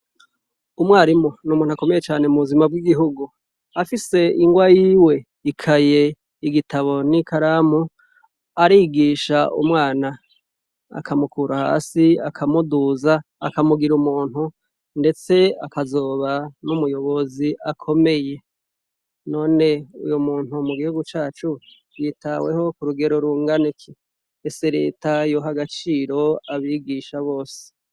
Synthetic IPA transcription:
umwaːɾimo̞numuːn̥huako̞me̞jet͡ʃaːne̞muβuzimabɡiɡiɦuɡu | afise̞iŋɡwajiːwe̞ | ikʰaje̞ | iɡitʰaβo̞nikaɾamu | aɾiːɡiːʃaṵmŋaːna | a̰kʰamukʰuːɾaha̰ːsiakʰamuduza̰ːkamuɡiɾumuːn̥hu | nde̞t͡se̞akazo̞ːβanumujo̞βo̞ziʔakʰo̞me̞je̞ | no̞ːne̞ṵjomuːn̥humuɡihuɡut͡ʃaːt͡ʃu | jitʰawe̞ho̞kuɾuɡe̞ɾo̞ɾuːŋɡanikʰi | eseɾe̞̰ːtajoɦaɡat͡ʃiːɾo̞aβiːɡiʃaβo̞ːse̥

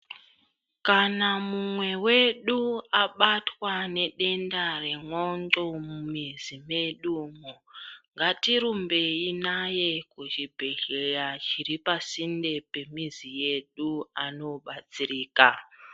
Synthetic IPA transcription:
kanamumweweɗuaɓatwaneɗendaɾeŋonɡomumizimeɗuːŋoŋɡatiɾumbeinajekut͡ʃibʱeɮejat͡ʃiɾipasindepemizijeɗuano̞ɓat͡siɾiːka

